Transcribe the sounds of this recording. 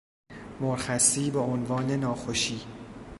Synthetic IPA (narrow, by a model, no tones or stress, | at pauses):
moɾxæsiːbeonvɒːne̞nɒːxoʃiː